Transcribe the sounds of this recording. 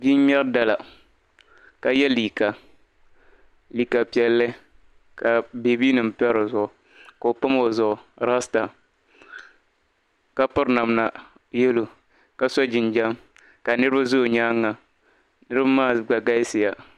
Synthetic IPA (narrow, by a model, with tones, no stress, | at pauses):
bi˦ɲɛ˦ɾda˨la˨ | ka˨jɛ˦liː˨ka˨ | liː˨ka˨pi˨ɛ˨lːɨ˦ | ka˨be˨biː˦nɨ˨m̩˦˨pɛ˦ɾo˨zʊ˨ʔʊ˨ | ko˨o˨pa˦mo˨zʊ˨ʔʊ˨ɾa˦sta˨ | ka˦pʊ˦ɾna˨mna˨ | jɛ˦lo˨ | ka˦sɔ˦d͡ʒɪ˨nd͡ʒa˦m | ka˨nɨ˦ɾɨ˦ba˦zo˦˨ɲa˦ŋːa˨ | nɨ˦ɾɨ˦ba˦maː˦˨ɡ͡ba˨ɡa˦sɪ˨ja˨